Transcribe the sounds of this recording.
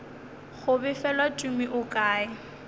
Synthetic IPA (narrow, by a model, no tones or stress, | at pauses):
ɣʊbɪfɛlwat͡ʃʼumiʔʊkʼaːɪ